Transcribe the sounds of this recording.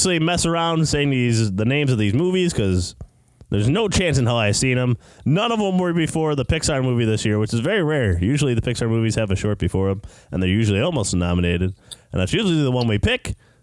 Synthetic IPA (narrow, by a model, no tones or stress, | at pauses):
sl̩ˠimɛsə˞ãʊ̃nd̥seɪɪ̃ŋðizðɨnẽɪ̃mzʌvðizmuviz̥kʰʌz | ðə˞znoʊt͡ʃʰæ̃nsɨ̃nɦaaɪv̥sĩnə̃m | nʌ̃nʌvə̃mwə˞bɨfɔɹðəpɪksɑɹmuviðɪsjɪɹwɨt͡ʃɨzvɛɹiɹɛɹjʉʒl̩ˠiðɨpʰɪksɑɹmuviz̥ɨvɨʃɔɹt̚b̥ɨfɔɹə̃mʔɨ̃nðə˞jʉʒl̩ˠiɔlˠmoʊstnɑməneɪɾɨd̚ɨ̰̃nðætsjʉʒl̩ˠiiðəwʌ̃nwipʰɪk